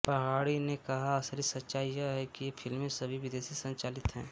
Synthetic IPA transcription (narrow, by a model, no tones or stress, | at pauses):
pɐɦaːɽinekɐɦaɐsəɾisɐtːʃaːijəɦɛkijepʰɪlmẽsɐbʱiʋɪd̪eːsisɐ̃ɲt͡ʃaːlɪt̪ɦɛ̃ː